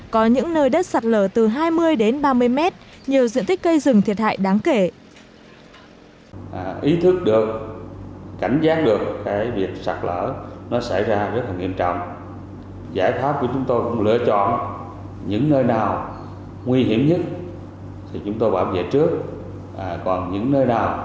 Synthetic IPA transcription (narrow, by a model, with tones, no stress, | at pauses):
kɔ˨˦ɲɨ̰˧˥ŋnəː˧jɗə˦˥t̚sa˨˩t̚ləː˧˩t̪ɨ˨˩ɦaː˧jmɨ˧əjɗe˨˦nɓaː˧mɨ˧əjmɛ˦˥t̚ | ɲi˨˩əwzḭ˧˨ənt̪i˦˥k̚ːkə˧jzɨ˨˩ŋt̪ʰi˨˩ət̚ɦa̰ː˧˨jɗaː˨˦ŋke˧˩ | ʔʔi˨˦t̪ʰɨ˦˥k̚ɗɨ˨˩ək̚ː | a˧˩jŋ̟zaː˦˥k̚ɗɨ˨˩ək̚ːaː˨˦jvi˨˩ək̚sa˨˩t̚lə̰ː˧˩nɔ˨˦sa˧˩jzaː˧zə˦˥t̚laː˨˩ŋi˧əmt͡ɕɔ̰˧˨wŋ͡m | zaː˧˩jt̪ʰwaː˦˥p̚vu˧˦ət͡ɕʊ˨˦ŋ͡mt̪o˧jkʊ̰˧˥ŋ͡mlɨ̰˧˨ət͡ɕɔ̰˧˨n | ɲɨ̰˧˥ŋnəː˧jnaː˨˩w | ŋwi˧ɦi˧˩əmɲə˦˥t̚ | t̪ʰi˨˩t͡ɕʊ˨˦ŋ͡mt̪o˧jɓaː˧˩wvḛ˧˨t͡ɕɨ˦˥ək̚ | ʔaː˨˩kɔ˨˩nɲɨ̰˧˥ŋnəː˧jnaː˨˩w